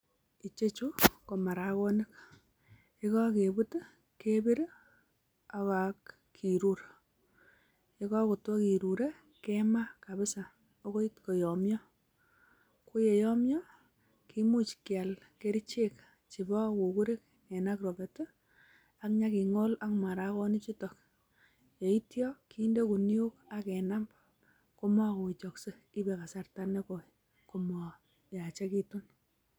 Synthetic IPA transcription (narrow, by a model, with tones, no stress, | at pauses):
i˨t͡ʃe˦t͡ʃu˦ko˨ma˨ɾa˨kɔ˦nɪ˦k̚ | ɪ˦kɔ˦ke˨bu˦t | ke˦bi˦ɾ | a˨ka˨kːʰ | i˨ɾu˦ɾ | ɪ˦kɔ˦ko˨twɔ˦ki˨ɾu˨ɾe˦ | ke˦ma˦ka˨bɪ˦sa˨ | o˦ko˦i˦tkɔ˨jɔ˨mjɔ˦ | ko˦je˨jɔ˦mjɔ˦ | ki˦mu˦t͡ʃkja˨lke˦ɾit͡ʃe˦k | t͡ʃi˨bɔ˦ku˨ku˦ɾɪ˦k̚ | ɛ˨na˦krɔ˨be˨tʊ˦ | a˦kɲa˦ki˨ŋo˦la˦kma˨ɾa˦kɔ˦ni˦t͡ʃu˦tɔ˨k̚ | je˨i˦tjɔ˦ki˦nde˦ku˨nju˦ka˦kɛ˨na˦mb | ko˦ma˦ko˨i˨t͡ʃɔ˨kse˦ | i˦bɛ˨ka˨sa˨rta˦ne˦ko˨ | ko˨mɔ˨ | ja˨t͡ʃɛ˦ki˨tu˦n